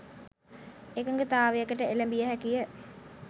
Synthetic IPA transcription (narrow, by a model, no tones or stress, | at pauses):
ekəŋɡet̪aːʋejəkəʈəeləmbijəɦækijə